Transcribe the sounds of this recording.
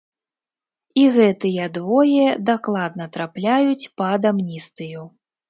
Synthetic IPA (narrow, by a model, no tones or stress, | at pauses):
iɣɛt̪ɨjɐd̪vɔjɛd̪aklˠad̪nɐt̪ɾaplʲajut͡sʲpɐːd̪amnʲist̪ɨju